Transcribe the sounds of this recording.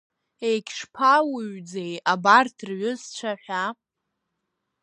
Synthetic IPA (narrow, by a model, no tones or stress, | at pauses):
ejkʲʰʂpʰawʊɥd͡zejabartʰrɥʊzt͡ʃʷʰaħʷᶣa